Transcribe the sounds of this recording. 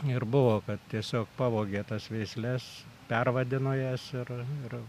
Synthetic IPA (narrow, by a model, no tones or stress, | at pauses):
ɪrbʊʋoːkɐt̪t̪ʲiɛsʲoːkpɑːʋoːɡʲeːt̪ɐsʋʲɛɪsʲlʲɛs | pʲɛrʋɐd̪ʲɪnojɛsɪrɪr